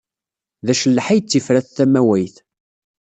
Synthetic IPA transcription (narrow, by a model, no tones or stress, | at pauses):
ðæʃəlːħijt͡sːifɾæθθæmæwæjθ